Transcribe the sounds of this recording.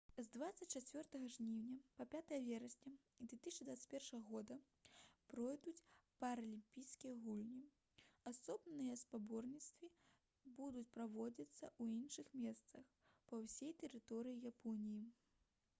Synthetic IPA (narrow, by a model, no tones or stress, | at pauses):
zd̪vat̪sɐt͡sʲt͡ʃat͡sʲvʲɔrt̪ɐɣɐʐnʲiwnʲɐpɐpʲat̪ɐjɐvʲɛɾɐsʲnʲɐ | d̪vʲɛt̪ɨsʲt͡ʃɐd̪vat̪sə̥t͡sʲpʲɛrʂɐɣɐɣɔd̪ɐ | pɾɔjd̪ut͡sʲpɐɾɐlʲimʲpʲijskʲijɐɣulʲnʲi | asɔbnnɨjɐspabɔrnʲit̪st̪vʲi | bud̪ut͡sʲpɾavɔd͡zʲɐt̪sːɐʔuinʂɨxmʲɛst̪sɐx | pɐwsʲɛjt̪ɛɾɨt̪ɔɾɨjijapʰɔnʲiji